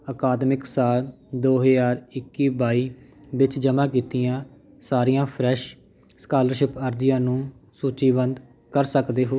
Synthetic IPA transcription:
əkaːd̪mɪksaːl | d̪oːɦəjaːɾɪkːiːbaːiːʋɪt͡ʃd͡ʒəmãːk̬iːt̪ijãː | saːɾiːjãːpʰɾɛːʃ | skaːləɾʃɪpəɾd͡ʒɪjãːnũːsuːt͡ʃiːbənd̪ | kəɾsəkd̪eːɦoː

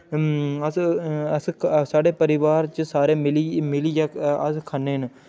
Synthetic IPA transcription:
əsəssaːɖeːpəɾɪʋaːɾt͡ʃəsaːɾeːmɪlimɪliːjaːəskʰaːneːn

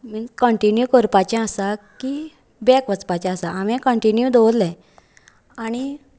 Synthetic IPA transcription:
mikəɳʈinjukəɾpat͡ɕɛ̃əsaki | bɛkʋət͡spat͡ɕɛ̃asaamɛ̃kəɳʈinjud̪od̪lɛ̃ | añi

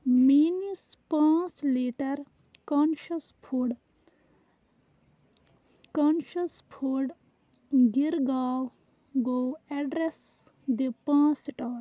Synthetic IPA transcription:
minispãːsleːʈɐɾ | kaːnʃɐspʰuɖ | kɔːnʃɐspʰuɖ | ɡiɾɡaːw | ɡoːɛɖɾes | d̪ipãːsiʈaːɾ

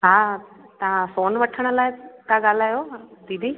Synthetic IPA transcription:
ɦaː | t̪ɐʋãsoːnʋəʈʰəɽ̃ə̆laːɪkaːɡaːl̤aːjod̪id̪ʱiː

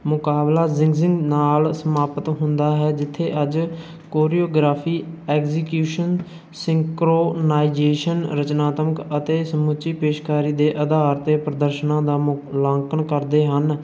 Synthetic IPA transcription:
mʊkaːblaːzɪ̃ŋɡzɪ̃ŋɡnaːlsəmaːpət̪ɦʊnd̪aːɦɛːd͡ʒɪt̪ʰːeːʔəd͡ʒ | koːɾiːoːɡɾaːpʰiːɛːkzɪkjuːʃən | sɪ̃ŋkɾoːnaːɪd͡ʒeːʃənɾət͡ʃnaːt̪məkət̪eːsəmʊt͡ʃiːpeːʃkaːɾiːd̪eːʔəd̪aːɾt̪eːpɾəd̪əɾʃənãːd̪aːlãːŋkəɳkəɾd̪eːɦən

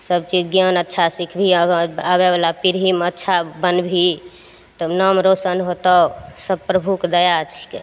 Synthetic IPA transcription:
səbt͡ʃid͡ʒɡjanətːʃʰasikʰbʱiəəaβebalapiɾɦimətːʃʰabənbʱi | t̪ɔnəmɾosənɦot̪əsəbpɾəbʱukd̪əjat͡ʃʰi̥ke

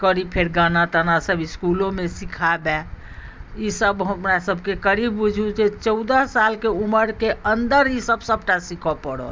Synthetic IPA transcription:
kəɾipʰeɾɡanat̪ənasəbiskulõmesikʰabɛ | isəbɦəpnasəbʱkekəɾibːud͡ʒʱud͡ʒet͡ʃəʊd̪əɦsalkeuməɾkeənd̪əɾisəbʱsəbʈasikʰɔpəɽɔ̰

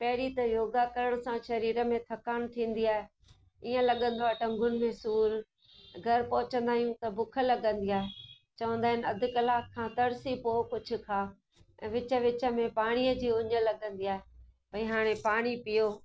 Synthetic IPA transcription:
pɐɦɪɾit̪ɐjoːɡakɐɾəɽ̃ʊ̆sãʃɐɾiːɾə̆mẽt̪ʰɐkaːñt̪ʰĩːn̆d̪iaːɦe | iːə̃lɐɠə̃nd̪oaːɦeʈɐ̃ŋɡʱʊnɪ̆mẽsuːɾ | ɡʱɐɾpɐɦʊt͡ɕə̃nd̪aːɦijũt̪ɐbʊkʰə̆lɐɠə̃nd̪iaːɦe | t͡ɕɐʋə̃nd̪aːɦɪnɪɐd̪ʱɪ̆kɐlaːkʰːãːt̪ɐɽsipoːkʊd͡ʑʰʱʊ̆kʰaː | ɛ̃ːʋɪt͡ɕə̆ʋɪt͡ɕə̆mẽpaːɽ̃ijəd͡ʑiːʊɲə̆lɐɠə̃nd̪iaːɦepɐĩɦaːɽ̃ẽpaːɽ̃ipijoː

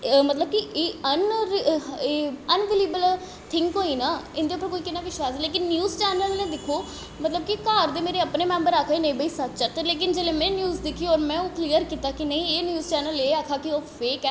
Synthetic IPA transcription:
mət̪ləb̚kiʔeːən | eːənʋeːliːbəl | t̪ʰɪŋkoːiːnaːɪnd̪eːʊpːəɾkoːiːkɪnːaːʋɪʃwaːsleːkɪnːjuːzt͡ʃɛːnəlnẽːd̪ɪkʰoː | mət̪ləb̚kikaːɾd̪eːmeːɾeəpneːmɛ̃ːmbəɾaːkʰːiːnə̃ĩːbəiːsət̪ːt͡ʃət̪leːk̬ɪnd͡ʒeːlẽːmɛ̃ːnjuːzd̪ɪkʰːiɔːɾmɛ̃ːũːkliːəɾkiːt̪aːkinəĩeːnjuːzt͡ʃɛːnəleːaːkʰaːkioːfeːkɛː

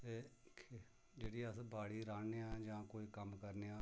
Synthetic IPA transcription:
t̪eː | d͡ʒeːɽiːəsbʱaːɽiːɾaːneːãːd͡ʒãːkoːiːkəmkəɾneːãː

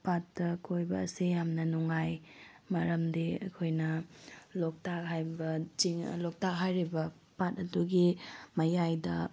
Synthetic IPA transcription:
patːɐkʰojbɐ̰ːsijamnɐnuŋaj | mɐɾɐmdiɐ̰kʰojnɐlok̚takɦajbɐt͡ʃiŋlok̚takɦajɾibɐ | pat̚ɐduɡimɐjajdɐ

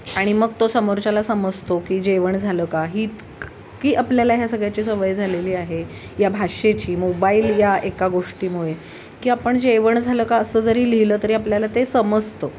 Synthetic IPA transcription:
aɽ̃iməɡt̪osəmoɾt͡ɕalasəməd͡zʱt̪okiːd͡ʑeʋəɳd͡zʱaləkaɦiːt̪ | kiːʔapljalaɦjasəɡɭjat͡ɕiːsəʋəjd͡zʱaleliːaɦe | jabʱaʂet͡ɕiːmobaiːljaʔekaɡoʂʈiːmuɭe | kiːapəɳd͡ʑeʋəɳd͡zʱaləkaəsəːd͡zəɾiːliləːt̪əɾiapljalat̪esəməd͡zʱt̪ə

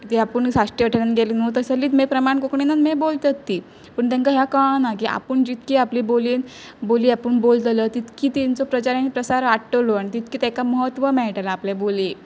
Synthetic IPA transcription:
t̪iapəɳsaʂʈiʋəʈʰəɾanɡelinut̪əsəlːiːt̪mepɾəmaɳkokɳinamebolt̪at̪ːi | pəɳt̪ɛ̃ŋkaɦjakanak̬iʔa̰pəɳd͡ʑit̪kiaplibolin | boliːapəɳbolt̪lət̪it̪kiːt̪int͡sɔpɾət͡ɕaɾanipɾəsaɾaʈʈəloaɽ̃it̪it̪̚kiːt̪ɛkaməɦət̪ːʋəmɛɭʈalaːplaboli

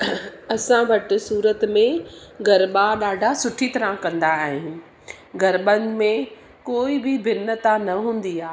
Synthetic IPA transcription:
ɐsãbɐʈɪsuːɾət̪mẽɡɐɾɓaɗaːɖʱasʊʈʰit̪ɐɾãkɐ̃nd̪aɦɪ̃ | ɡɐɾɓənmẽ | koːibɪbɪnːət̪anɐɦũːn̆d̪iaː

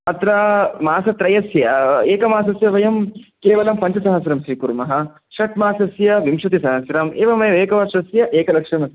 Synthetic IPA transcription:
ɐt̪ɾamaːsɐt̪ɾɐjɐsjɐeːkɐmaːs̬ɐsjɐʋɐjɐmkeːʋɐlɐmpɐɲt͡ʃɐsɐɦɐsɾɐmsiːkuɾmɐɦɐ | ʃɐʈmaːsɐsjɐʋimʃɐt̪isɐɦɐsɾaːmeːʋɐmɐjɐʋeːkɐʋɐʃɐsjɐʔeːkɐlɐkʂɐmɐs

